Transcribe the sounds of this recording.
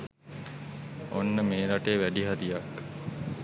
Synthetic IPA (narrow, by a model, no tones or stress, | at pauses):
onːəmeːɾaʈeːʋæɖiɦaɾijak